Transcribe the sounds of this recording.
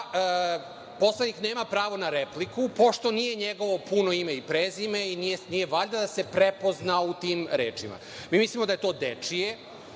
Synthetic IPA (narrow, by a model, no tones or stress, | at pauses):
po̞slˠedɲikneːmapɾaːʋo̞naɾeplikupo̞ʃt̪o̞nije̞ɲeɡo̞ʋo̞puno̞imeipɾeːzimeinijenije̞ʋaʎd̪ad̪asepɾepo̞znaut̪iːmɾḛːt͡ʂḭma̰ | miːmislimo̞d̪aje̞t̪o̞ːd̪et͡ʂije